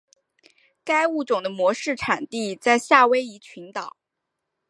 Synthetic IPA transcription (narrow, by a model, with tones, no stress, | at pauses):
ka˥ɪu˥˩t͡sʊ˨˩ŋd̪ə˦mwɔ˧˥ʂɻ̩˥˩ʈ͡ʂʰa˨˩nt̪i˥˧t͡sa˥˧ɪɕja˥˩we˥ɪi˧˥t͡ɕʰi˧˥nt̪ɑ˨˩˦ʊ